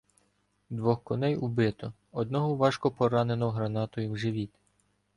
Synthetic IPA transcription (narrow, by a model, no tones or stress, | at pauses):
d̪ʋɔxkɔnɛjubɪt̪ɔ | ɔd̪̚nɔɦɔʋɑʃkɔpɔɾɑnenɔɦɔɦɾɐnɑt̪ɔjʊwʒɪʋʲit̪